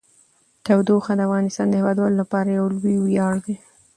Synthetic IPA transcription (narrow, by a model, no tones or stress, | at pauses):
t̪awd̪oxad̪əafɣɑnɪst̪ɑnd̪əhɪwɑd̪wɑlolapɑɾajawlwiwjɑɽd̪e